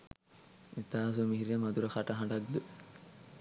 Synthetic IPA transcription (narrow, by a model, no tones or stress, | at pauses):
et̪aːs̬umiɦiɾjɐmɐd̪uɾɐxɐʈɐɦɐɳɖɐɡd̪u